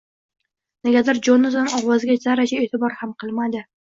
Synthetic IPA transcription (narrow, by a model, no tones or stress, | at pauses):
nɪɡʲad̪aɾd͡ʒonʊzanɒwɒzɡʲazaɾad͡ʒaet̪ʰɪbɒɾhamqʰɨlˠmad̪ɪ